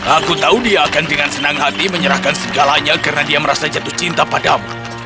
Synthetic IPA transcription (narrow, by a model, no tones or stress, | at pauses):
akut̪audiaːkandəŋansənaŋɦat̪iməɲəɾahkansəɡalaɲakarənadiaməɾasad͡ʒat̪ʊht͡ʃint̪apadamu